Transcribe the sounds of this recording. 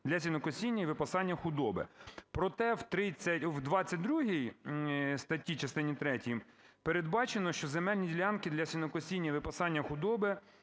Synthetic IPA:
d̪lʲɐsʲinɔkɔsʲinʲːɐiʋɪpɐsɑnʲːɐxʊd̪ɔbɪ̰pɾɔt̪ɛwt̪ɾɪt͡sʲːɐtʲwd̪ʋɑt͡sʲːɐt̚ʲd̪ɾuɦij | st̪ɐtʲit͡ʃɐst̪ɪnʲit̪ɾɛtʲijm | peɾed̪bɑt͡ʃenɔʃt͡ʃɔzemɛlʲnʲidʲilʲɑnkɪd̪lʲɐsʲinɔkɔsʲinʲːɐiʋɪpɐsɑnʲːɐxʊd̪ɔbɪ

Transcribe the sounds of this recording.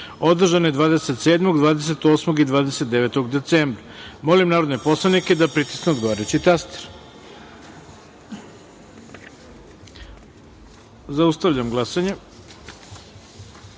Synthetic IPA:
o̞d̪r̩ʒanoje̞d̪ʋaːd̪ese̞t̪seːd̪mo̞ɡd̪vaːd̪es̬e̞t̪o̞ːsmoɡid̪ʋaːd̪eset̪̚d̪eʋet̪o̞ɡd̪e̞t̪seːmbɾamo̞limnaːɾo̞d̪nepo̞slˠanike̞d̪apɾit̪i̥sneod̪ɡoʋaɾet͡ɕit̪ast̪e̥ɾ | zaust̪aʋʎamɡlˠasaɲe

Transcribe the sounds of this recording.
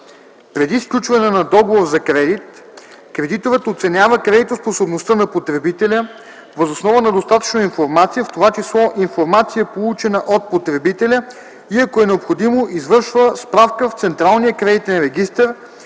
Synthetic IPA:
pɾɛd̪isklʲut͡ʃvɐnɛnɐd̪ɔɡovoɾzɐkɾɛd̪it̪ | kɾɛd̪it̪ovət̪ot̪sɛnʲavəkɾɛd̪it̪osposobnost̪ənɐpot̪ɾɛbit̪ɛlʲə | vəzosnɔvənɐd̪ost̪at̪ə̥t͡ʃnoinfoɾmat̪sijəft̪ovat͡ʃislˠɔʔinfoɾmat̪sijəpolˠut͡ʃɛnəʔot̪̚pot̪ɾɛbit̪ɛlʲə | iɐkoɛnɛopxod̪imoʔizvɤɾʃvəspɾafkəft̪sɛnt̪ɾalˠnijəkɾɛd̪it̪ɛnɾɛɡ̟ist̪əɾ

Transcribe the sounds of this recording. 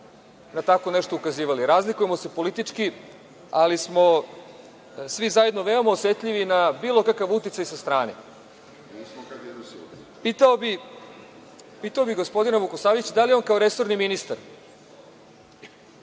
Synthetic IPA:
nat̪ako̞neʂt̪oukaziːʋaliɾaːzlikuje̞mo̞sepo̞lit̪it͡ʂki | alismo | sʋizaje̞d̪noʋe̞o̞maosʋe̞t̪ʎʲiʋinabiːlˠo̞kakaʋut̪it̪ajsast̪ɾaːnḛ | piːt̪aobi | piːt̪aobiɣɡo̞spo̞d̪inaʋukosaːʋit͡ɕd̪alijeo̞nkao̞ɾe̞so̞ɾniminist̪aɾ

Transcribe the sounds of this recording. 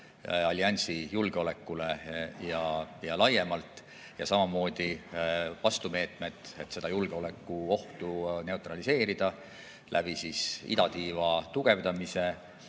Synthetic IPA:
ɑlʲiɑnʲsijulɡ̥eo̞le̞kːˑule̞jɑjɑlɑjːe̞mɑlt̪ˑ | jɑsɑmɑmo̞ːd̪̥ivɑst̪ume̞ːt̪ˑme̞t̪ˑe̞t̪ːˑse̞d̪̥ɑjulɡ̥eo̞le̞kːuo̞ht̪une̞ut̪ɾɑlise̞ːɾid̪̥ɑ | lʔæ̰b̥isisḭd̪ɑt̪iːvɑt̪uɡ̥e̞vd̪ɑmise̞

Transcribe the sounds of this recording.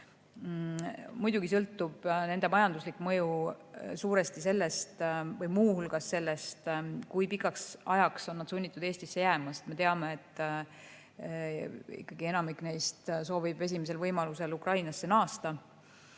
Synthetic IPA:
mujd̪̥uɡ̥isɤlt̪ːˑub̥ne̞nd̪̥e̞mɑjɑnd̪uslikːmɤ̞jusuːɾe̞st̪ise̞lːe̞st̪vɤjmuːhulɡ̥ɑsːe̞lːe̞st̪kujpikːˑɑksɑjɑksonːɑd̪̥sunʲːit̪ːˑud̪̥e̞ːsʲt̪isːe̞jæːmɑset̪me̞t̪e̞ɑmeet̪ːˑ | ḭkːˑɑɡ̥ie̞nɑmikːˑnejst̪so̞ːvib̥e̞s̬ʲimes̬e̞lvɤjmɑluse̞lukrɑjnɑsːe̞nɑːst̪ɑ

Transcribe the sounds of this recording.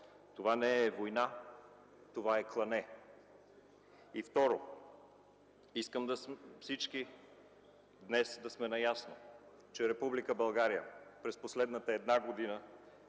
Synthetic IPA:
t̪ovanɛɛvojna | t̪ovaɛklˠɐnɛ | ift̪ɔɾo | iskəmd̪ɐfsit͡ʃk̟i | d̪nɛsd̪ɐsmɛnɐjasno | t͡ʃɛɾɛpublikəbɐlˠɡaɾijəpɾɛsposlɛd̪nət̪əɛd̪naɡod̪inə

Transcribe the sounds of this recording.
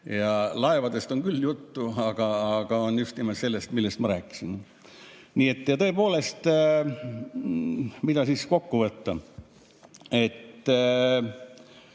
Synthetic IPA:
jɑlɑevɑd̪e̞st̪o̞ŋkylːjut̪ːuɑɡ̥ɑːɡ̥ɑonjust̪nimot̪se̞lːest̪milːe̞st̪mɑɾæːkːˑi̥sin | niːe̞t̪ːjɑt̪ɤ̞epo̞ːle̞st̪ | mid̪̥ɑsisko̞kːuvɤt̪ːɑ | e̞t̪ː

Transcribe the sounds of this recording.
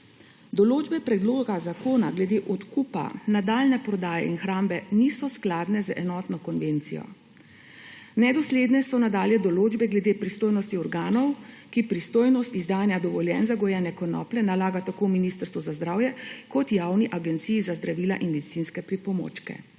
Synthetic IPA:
d̪ɔloːd͡ʒbɛpɾɛd̪loːɡazakoːnaɡlɛd̪eːʔɔt̪kuːpa̰nad̪aːlnɛpɾɔd̪aːjɛ̰ḭnxɾaːmbɛniːsɔsklaːd̪nɛzəɛnɔt̪nɔkɔnʋent̪sijɔ̰ | nɛd̪ɔsleːd̪nɛsɔnad̪aːljɛd̪ɔloːd͡ʒbɛɡlɛd̪eːpɾist̪oːjnɔst̪iɔɾɡaːnɔw | kipɾist̪oːjnɔst̪izd̪aːnjad̪ɔʋɔljɛnzaɡɔjɛːnɛkɔnɔ̰ːplɛnalaːɡat̪akoːminist̪əɾst̪ʋuzazd̪ɾaːwjɛkɔt̪jaːwniʔaɡɛnt̪siːjːzazd̪ɾaʋiːlaʔinmɛd̪isinskɛpɾipɔmo̰t͡ʃkɛ̰

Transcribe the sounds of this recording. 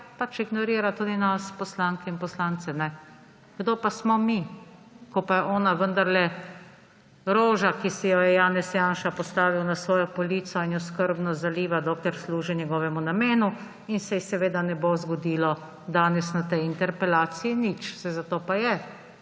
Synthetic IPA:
pat͡ʃiɡnɔɾiːɾat̪uːd̪inaspɔslaːŋkɛinpɔslant̪sɛnɛ | ɡ̥d̪oːpasmɔmi | kɔpajɛʔɔːnaʋənd̪aɾlɛ | ɾoːʒakisijɔjɛjaːnɛsjaːnʃapɔst̪aːʋiwnasʋɔːjɔpɔliːt̪sɔinɔskəɾbnɔzaliːʋad̪oklɛɾsluːʒinʲjɛɡɔːʋɛmunameːnu | insɛjisɛʋeːd̪anɛbozɡɔd̪iːlɔ | d̪aːnɛsnat̪ɛjint̪ɛɾpɛlaːt̪siinit͡ʃsɛzat̪oːpajɛ

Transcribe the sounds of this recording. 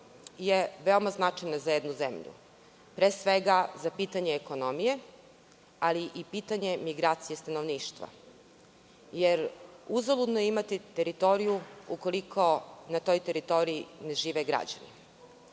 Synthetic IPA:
jeʋe̞omaznat͡ʃajnazajed̪nuzḛmʎṵ | pɾeːsʋeɡazapiːt̪aɲeːko̞nomije̞ | aliʔipit̪aɲe̞miɡɾaːt̪sijest̪anoʋniːʃt̪ʋa̰ | jeɾuzolud̪nojeimat̪it̪eɾit̪o̞ɾijuuko̞likʰo̞nat̪o̞jt̪e̞ɾit̪o̞ɾiːne̞ʒiːʋeɡɾa̰d͡ʑa̰nḭ

